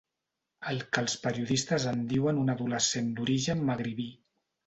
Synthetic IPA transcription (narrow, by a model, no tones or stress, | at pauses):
əlˠkəlˠspəɾiuðist̪əzənd̪iwənunəðuləsend̪uɾiʒənməɣɾiβi